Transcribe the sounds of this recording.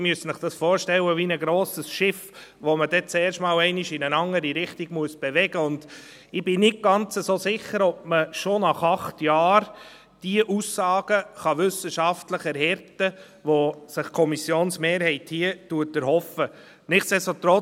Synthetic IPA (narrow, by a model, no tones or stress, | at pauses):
myəsənəχd̥ɑsfɔːɾʃtɛləʋinəɡɾoːsəsʃɪf | ʋomədɛt͡sɛːɾʃtmɑːlɛɪnɪʃɪnənɑŋəɾiɾɪχtiɡ̥muəsb̥ɛvɛɡəʊnd̥ | ɪb̥ɪnɪt̚ɡ̥ɑnt͡səsosɪχəɾɔb̚məʃonɑχɑχtjɑːɾ | d̥iəʔusːɑːɡ̥əχɑʋʏsəʃɑftləχɛɾɦɛɾtə | ʋosɪχkʰɔmisjoːnsmeːɾhɛɪthiətuətːəɾhɔfə | nɪχsɛsot̪ɾɔ